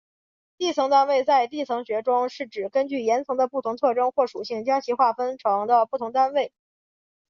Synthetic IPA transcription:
t̪i˥˩t͡sʰɤ˧˥ŋt̪a˥nwe˥˧ɪt͡sa˥˧ɪt̪̬i˥˩t͡sʰɤ˧˥ŋɕɥɛ˧˥ʈ͡ʂʊ˥ŋʂɻ̩˥˩ʈ͡ʂɻ̩˨˩kə˥nt͡ɕy˥˩jɛ˧˥nt͡sʰɤ˧˥ŋd̪ə˧pu˥˩t̪ʰʊ˧˥ŋt͡sʰɤ˥˧ʈ͡ʂɤ˥nxwɔ˥˩ʂu˨˩ɕi˥˩ŋt͡ɕjɑ˥ŋt͡ɕʰi˧˥xwa˥˩fə˥nʈ͡ʂʰɤ˧˥ŋd̪ə˧pu˥˩t̪ʰʊ˧˥ŋt̪a˥nwe˥˩ɪ

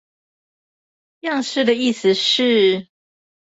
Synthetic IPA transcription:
jɑ˥˧ŋʂɻ̩˥˩d̪ə˩i˥˩s̩˨ʂɻ̩˥˩

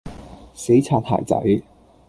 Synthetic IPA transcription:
se˨˥jt͡sʰaː˧t̚ha̰ː˨˩t͡sɐ̰˨˥j

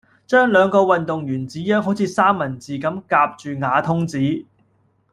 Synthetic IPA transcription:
t͡ʃœː˥ŋlœː˨˧ŋkɔː˧wɐ˨nt̪ʊ˨ŋjyː˨˩nt͡siː˨˥jœː˥ŋɦo˨˥wt͡sʰiː˨˧saː˥mːɐ˨˩nt͡siː˨kɐ˨˥mkaː˧p̚t͡ʃyː˨ŋaː˨˧t̪ʰʊ˥ŋt͡siː˨˥

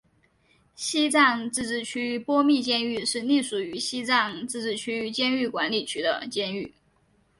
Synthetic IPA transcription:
ɕi˥t͡sɑ˥˧ŋt͡sɹ̩˥˧ʈ͡ʂɻ̩˥˩t͡ɕʰy˥pwɔ˥mi˥˧t͡ɕjɛ˥˧ny˥˧ʂɻ̩˥˧ni˥˩ʂu˨˩y˧˥ɕi˥t͡sɑ˥˧ŋt͡sɹ̩˥˧ʈ͡ʂɻ̩˥˩t͡ɕʰy˥t͡ɕjɛ˥˧ny˥˩kwa˧˥nli˨˩t͡ɕʰy˥d̪ə̰˧t͡ɕjɛ˥˧ny˥˩

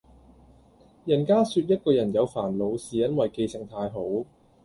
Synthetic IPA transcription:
jɐ˨˩nkaː˥syː˧t̚jɐ˥t̚kɔː˧jɐ˨˩njɐ˨˧wfaː˨˩nlo˨˧wsiː˨˩jɐ˥nwɐ˨jke˧jsɪ˨˩ŋt̪ʰaː˧jɦo˨˥w

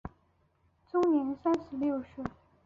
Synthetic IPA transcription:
t͡sʊ˥ŋnjɛ˧˥nsa˥nʂɻ̩˧˥ljo˥˩ʊʂ̩˥˩

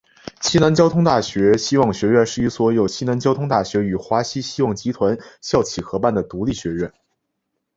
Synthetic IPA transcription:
ɕʰi˥na˧˥nt͡ɕjɑ˥ʊt̪ʰʊ˥ŋt̪a˥˩ɕɥɛ˧˥ɕi˥wɑ˥˩ŋɕɥɛ˧˥ɥɛ˥˧nʂɻ̩˥˩y˧˥swɔ˧˥jo˨˩ʊt͡ɕʰi˥na˧˥nt͡ɕjɑ˥ʊt̪ʰʊ˥ŋt̪a˥˩ɕɥɛ˧˥y˨˩xwa˧˥ɕi˥ɕi˥wɑ˥˩ŋt͡ɕi˧˥t̪ʰwa˧˥nɕjɑ˥˩ʊt͡ɕʰi˨˩xɤ˧˥pa˥˩nd̪ə˩t̪u˧˥li˥˩ɕɥɛ˧˥ɥɛ˥˩n

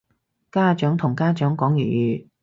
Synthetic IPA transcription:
kaː˥˧t͡ʃœː˨˥ŋt̪ʰʊ˨˩ŋkaː˥t͡ʃœː˨˥ŋkɔː˨˥ŋjy̰ː˨˩jyː˨˩

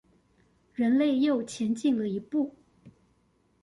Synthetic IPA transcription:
ɻə˧˥nle˥˧ɪjo˥˩ʊt͡ɕʰjɛ˧˥nt͡ɕi˥˩ŋlə˩i˧˥pu˥˩

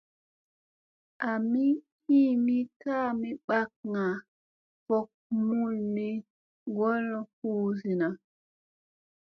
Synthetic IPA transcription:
ʔa˨mi˦ | i˦mi˦ka˦mi˦ɓa˦k̚ŋa˨ | fɔ˦k̚mu˦lni˦ | ŋɡɔ˦lɔ˨huː˦si˨na˨

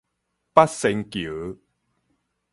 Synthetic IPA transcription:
pa˦t̚se˧ŋkjə˨˦

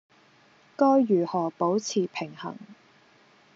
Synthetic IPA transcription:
kɔː˥jːyː˨˩hɔː˨˩po˨˥wt͡sʰiː˨˩pʰɪ˨˩ŋhɐ̰˨˩ŋ

